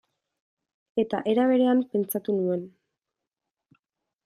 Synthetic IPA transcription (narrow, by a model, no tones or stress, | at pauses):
e̞t̪aʔe̞ɾaβ̞e̞ɾe̞ampe̞nt͡sat̪unue̞n